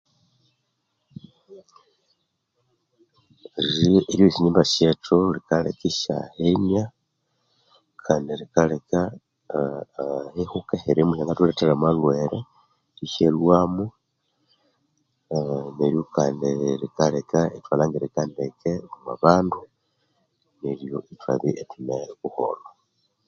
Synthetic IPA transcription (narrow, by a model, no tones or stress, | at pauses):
ɾieɾjosiɲiːmbaʃetʰolikalḛkiʃa̰henja | kʰaneɾikaleka | hehukeheɾimuʃaŋɡatuleteɾamalweɾe | iʃelwamu | neɾjokandelikalekaetwalaŋɡeɾikandekʰeuma̰βaːndu | neljoʔita̰βiʔetuneβuho̰lo